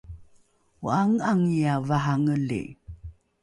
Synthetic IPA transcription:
uaŋaŋijavaɦaŋəlḭ

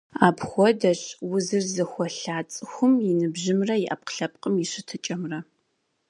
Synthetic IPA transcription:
aːpxʷɔdɐɕwʊzɨrzɨxʷɔɬaːt͡sʼɨxʷʊmjɪnɨbʑɪmrɐjɪʔɐp̚qɬɐp̚ʼqʼəmjɪɕɨtʰɨt͡ʃʼɐmrɐ

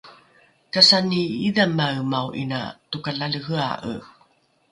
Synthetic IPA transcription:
kasaniiðamːaɯmawʔina̰tukaɮaɮəɦɯa̰ʔə̰

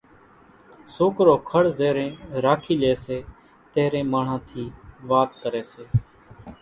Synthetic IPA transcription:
soːkɾoːkʰəɽzeːɾẽːɾaːkʰiːleːseː | t̪eːɾẽːmaːɳ̤ãːt̪ʰiːʋaːt̪kəɾeːseː

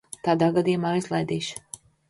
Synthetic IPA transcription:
t̪aːd̪aːɡad̪ijumaːizlˠajd̪iːʃ

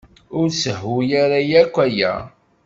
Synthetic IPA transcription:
ʊɾsəɦːujaɾajækʷːæjæ̰

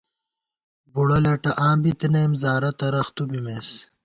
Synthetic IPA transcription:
buɽɐlɐʈɐʔãːbit̪inemzaːɾɐt̪ɐɾɐxt̪ubimeːs

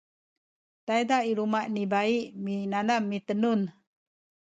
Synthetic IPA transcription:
t̪ajdaʔiɾumaʔnibaiʔminanamːit̪ənun

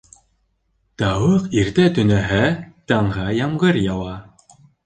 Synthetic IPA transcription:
t̪ɑwɤqiɾt̪æt̪ɵ̆næɦæt̪ɑɴʁɑjɑmʁɤɾjɑwɑ

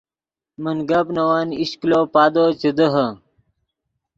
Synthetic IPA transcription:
mənɡaːpnɐwaːniɕkloːpaːd̪oːt͡ɕed̪əɦɐ

